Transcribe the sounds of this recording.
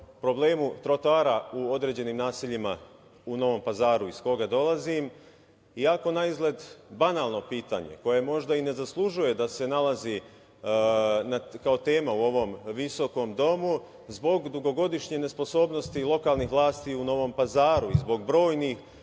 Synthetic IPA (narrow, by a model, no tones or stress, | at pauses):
pɾo̞ble̞ːmut̪ɾot̪oaːɾauo̞d̪ɾe̞ːd͡ʑe̞niːmnaːsiʎima | uno̞ʋo̞mpazaːɾuisko̞ɡad̪o̞lˠazim | iako̞naizɡle̞d̪banaːlˠno̞piːt̪a̰ɲe̞̰ko̞je̞mo̞ʒd̪aine̞zaslˠuʒuje̞d̪ase̞nalazi | nakao̞t̪e̞ːmauo̞ʋo̞mʋiso̞ko̞md̪o̞mu | zbo̞ɡd̪uɡo̞ɡo̞d̪iʃɲene̞spo̞so̞ːbno̞st̪ilˠo̞kaːlˠnixʋlˠaːst̪iuno̞ʋo̞mpazaːɾuizbo̞ɡbɾo̞ːjnix